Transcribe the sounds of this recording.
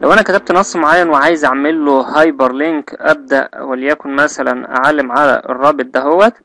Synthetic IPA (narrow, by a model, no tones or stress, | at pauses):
læwʔænækæt̪æb̚t̪nɑsˤːmoʕajːænweʕaːjezʔaʕmelːohɑjbɑɾˤleŋkʔæb̚d̪æʔwælːjækonmæsælænʔa̰ʕalːemʕalæ̰ʔḛrˤːɑːbet̪̚ˤd̪æɦowːæt̪